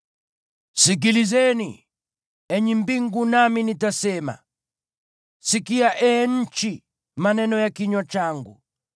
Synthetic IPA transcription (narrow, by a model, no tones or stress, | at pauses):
sikilizɛni | ɛɲimbiŋɡunaminitasɛːma̰ | sikijaʔɛn̩t͡ʃi | manɛnɔjakiɲwat͡ʃaːŋɡṵ